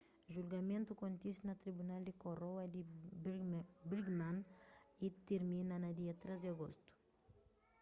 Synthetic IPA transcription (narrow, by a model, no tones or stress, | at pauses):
ʒulɡamẽnt̪ukont̪ist̪nat̪ɾibunald̪ikoɾowad̪i | bɾiɡnanit̪iɾminanad̪iat̪ɾezd̪iaɡost̪u̥